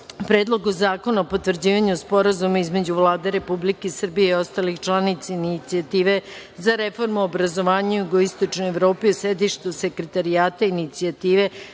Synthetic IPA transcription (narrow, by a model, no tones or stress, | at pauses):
pɾeːd̪lˠo̞ɡozaːko̞naopo̞t̪ʋr̩d͡ʑiːʋaɲuspo̞ɾazumaizmed͡ʑuʋlˠaːd̪e̞ɾe̞publikesr̩bije̞io̞st̪alixt͡ʃlˠanit̪sainit̪siat̪iːʋe̞ | zaɾefo̞ɾmuobɾazoʋaːɲajuɡoist̪o̞t͡ʃnojeʋɾo̞ːpiosed̪iʃt̪use̞kɾet̪aɾiaːt̪ainit̪siat̪iːʋe̞